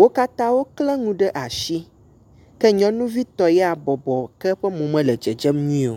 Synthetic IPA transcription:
wo˦ka˦t̪ã˦wo˦klɛ˦ŋũ˦ɖɛ˦ʔa˨ʃi˦ | kɛ˦ɲɔ̃˦nũ˦vi˦t̪ɔ˨jɛ˦a˨bɔ˨bɔ˨kɛ˦ɸɛ˦mõ˨mɛ̃˦lɛ˨d͡ʒɛ˨d͡ʒɛ˦mɲĩ˦o˨

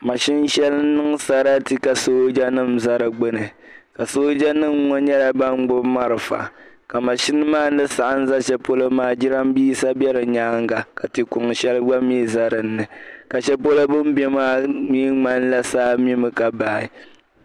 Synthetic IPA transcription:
ma˨ʃɪ˦n˦ʃɛ˦lɨ˦nɨ˦ŋ˦sa˦ɾa˦ti˦ka˨soː˦d͡ʒa˦nɨ˦˨m̩˨za˦ɾɨ˨ɡ͡bɨ˦nɨ˨ | ka˨soː˦d͡ʒa˦nɨ˦mŋɔ˦ɲɛ˦ɾa˨ba˦ŋ˦ɡ͡bʊ˦ma˦ɾɨ˨fa̰˨ | ka˨ma˨ʃɪ˦n˦maː˦˨˦lɨ˦sa˨ʔa˦n̩˦za˦ʃɛ˦po˦lo˦maː˦˨d͡ʒi˦ɾa˦m˦biː˦sa˦bɛ˦ɾɨ˨ɲaː˦ŋɡa˨ka˨ti˨kʊ˨ŋ˨ʃɛ˦lɨ˦ɡ͡ba˦miː˦za˨ɾɨ˨nːɨ˨ka˨ʃɛ˦po˦lo˦bʊ˦m˦bɛ˦maː˦mi˦ŋ͡ma˦n˦la˦saː˦mi˦mɨ˨ka˨baː˨ɪ˦˨

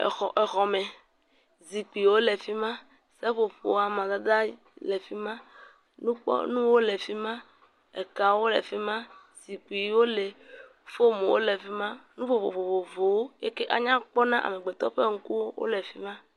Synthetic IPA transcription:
xɔ̰˨ʔe˨xɔ˨mɛ˨ | zi˨k͡pi˨wo˦le˨fi˦mã˦ | se˦ɸo˨ɸo̰˨a˨mã˨d̪a˦d̪a˦lɛ˨fi˦mã˦ | nũ˦k͡pɔ̰˦nũ˦wo˦le˨fi˦mã˦ | e˨ka˨wo˦lḛ˨fi˦mã˦ | z̥i˨k͡pi˨˦wo˦le˨ | fo˦mõ˨wo̰˦le˨fi˦mã˦nũ˦fo˨ɸo̰˨vo˨vo˨vo˨wo˦e˦ke˦ʔa̰˨ɲã˦k͡pɔ˦nã˦ʔa̰˨me˨ɡ͡be˨t̪ɔ̰˦ɸe˦ŋ̩˦ku˦wo˦wʔo̰˦le˨fi˦mã˦

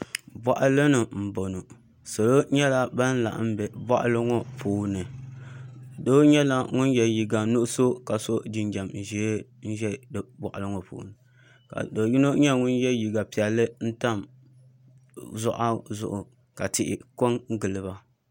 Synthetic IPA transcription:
bɔ˨ʔa˦lɨ˦nɨ˨m̩˨bo˨no˨ | so˨lo˦ɲɛ˦la˦ba˦n˦la̰˨ʔm̩˦bɛ˨bɔ̰˦ʔa̰˦lɨ˦ŋɔ˦pʰuː˦nɨ˨ | do˦ɲɛ˦la˦ŋʊ˦njɛ˨ji˨ɡa˨nʊ˦ʔso˦ka˨so˦d͡ʒi˨nd͡ʒa˨mn̩˨ʒɛ˨˦n̩˦ʒɛ˦dbɔ˨ʔa˨lɨ˦ŋɔ˨pṵː˨nɨ˨ | ka̰˨do˨ji˦no˦ɲɛ˦ŋʊ˦njɛ˦ji˨ɡa˨pi˨ɛ˨lːɨ˦n̩˦ta˦˨m | zɔ˦ʔa˦zʊ̰˦ʔʊ˨ | ka˨tɪ˦ʔɪ̰˨ko˦ŋɡɨ˨lɨ˨ba˦

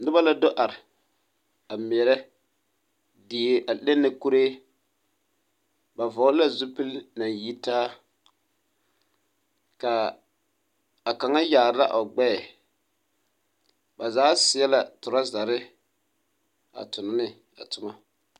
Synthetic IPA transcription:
nɪ˦ba˦la˦do˦ʔa˨ɾɪ˨ | a˨mɛ˨ɛ˨ɾɛ˦ | di˨ʔa˨le˦nːɪ˨ku˦ɾe˦ | ba˨vɔ˨˦la˦zu˦pi˦lna˨ji˦taː˦ | ka˨ | a˨ka˨ŋa˦jaː˨ɾɪ˦la̰˦ʔo˨ɡ͡bɛː˦˨ | ba˨zaː˨˦sɪ˨ɛ˦la˨tʊ˨ɾa˦za˨ɾɪ˦ | a̰˨tʊ˨nʊ˦nɪ˦ | a̰˨tʊ˨ma˦

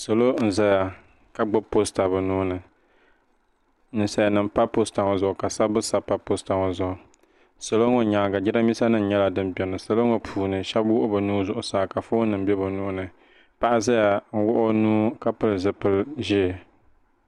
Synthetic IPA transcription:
so˨lo˦n̩˨za˦ja˨ | ka˦ɡ͡bʊ˦pːo˦sta˨bɨ˨nuː˦nɨ˨ | nɨ˨sa˦ja˨nɨ˨m˦pa˦po˦sta˨ŋo˨zʊ˨ʔʊ˨ka˨sa˦bɨ˦sa˨pa˦po˦sta˨ŋo˨zʊ˨ʔʊ˨ | so˨lo˦ŋo˨ɲa˨ɡa˨d͡ʒɪ˦ɾa˦mi˦sa˦nɨ˨n̩˨ɲɛ˦la˨dɨ˦mbɛ˨nɨ˨so˨lo˦ŋo˨pʰuː˨nɨ˨ʃɛ˦bwʊ˦ʔʊ˦bɨ˨nuː˦zʊ˨ʔʊ˨saː˦ka˨fo˦nɨ˨m˦bɛ˦bɨ˨nuː˦nɨ˨ | pa˦ʔa˦za˦ja˨ŋ̩˦wʊ˦ʔʊ˦nuː˦ka˦pɨ˦lzɨ˦pɨ˦lʒɪ˦˨

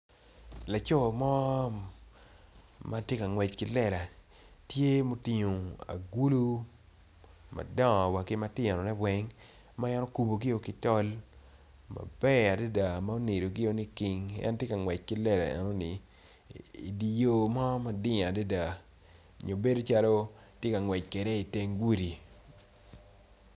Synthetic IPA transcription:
la˨t͡ʃo˦˨mɔ˦ | ma˦tje˦ka˨ŋwɛ˨t͡ʃkɪ˦lɛ˦˨ɾa˨ | tje˦mo˨tɪ˨ɲo˨a̰˨ɡu˦lu˦ | ma̰˨dɔ˦˨wa˨kɪ˦ma˦tɪ˦ɛ˨nɔ˨nɛ˦wɛ˦ŋ | ma˦ja˦no˦ku˨bo˨ɡɪ˦o˦kɪ˦tɔ˦l | ma̰˨bɛ˦a˨da˦da˨ma˦o˦ne˨ɾo˨ɡɪ˦o˦ni˦ki˨˦ŋɛ̰˦ntje˦ka˨ŋwɛ˨t͡ʃ̚kɪ˦lɛ˦ɾa̰˨ɛ̰˨no˦ni˨ | ḭ˨di˨jo˨ma˦ma˦dɪ˦a˨da˦da˨ | ɲo˨be˦do˦t͡ʃa˦lo˦ | tje˦ka˨ŋwɛ˨t͡ʃ̚kɛ˨ɾɛ˦i˨te˦ŋɡwu˦ɾi˨

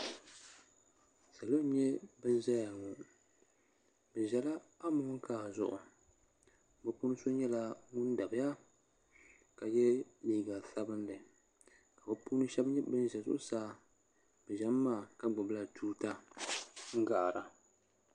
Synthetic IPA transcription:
sa˨lo˦ɲɛ˦bɨ˦n˦za˦ja˨ŋʊ˨ | bɨ˨ʒɛ˨la˦a˦mʊ˦ŋ˦kaː˦˨zʊ˨ʔʊ̰˨ | bɨ˦pu˦nɨ˦so˦ɲɛ˦la˦ŋʊ˦n˦da˨bɨ˦ja˦ | ka˨jɛ˦liː˨ɡa˨sa˦bɨ˦ndɨ˨ | ka˨bɨ˦puː˦nɨ˦ʃɛ˦bɲɛ˦bɨ˦n˦ʒɛ˨zʊ̰˦ʔʊ˦saː˦ | bɨ˨ʒɛ˦mː˦aː˦˨ka˦ɡ͡bʊ˨bla˨tʰuː˦ta˦ | ŋ̩˦ɡa˨ʔɾa˨

